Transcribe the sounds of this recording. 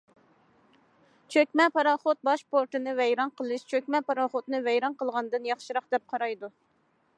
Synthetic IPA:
t͡ʃʰøkʲmɛpɑɾɑχot̪̚bɑʃpoɾt̪ɨnɨvɛjɾɑnqʰəlˠɨʃt͡ʃʰøkʲmɛpɑɾɑχot̪nɨvɛjɾɑnqəlˠʁɑnɨd̪ɨnjɑχʃɨɾɑχd̪ɛp̚qʰɑɾɑjd̪u

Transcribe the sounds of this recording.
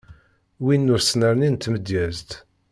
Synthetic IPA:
winːʊɾsnəɾnint̪ːməd̪jæzt̪

